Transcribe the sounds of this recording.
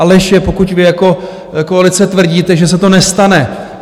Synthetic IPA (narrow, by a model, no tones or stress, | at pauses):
lɛʃɛpo̞kucvɪjako̞ | koalɪt͡sɛt̪vr̩ɟiːt̪ɛʒɛsɛt̪o̞nɛst̪anɛ